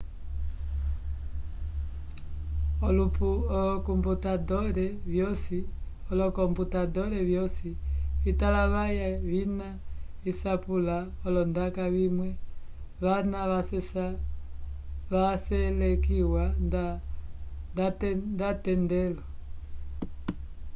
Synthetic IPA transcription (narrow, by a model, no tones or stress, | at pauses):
ɔlupuɔlɔkumbutadɔɾɛvjɔsi | ɔlɔkɔmbutadɔɾɛvjɔsiβitalaβajaβina | isapula | ɔlɔndakaβimwɛ | βanaasɛ | ʋasɛlɛkiwa | ndndatɛndɛlɔ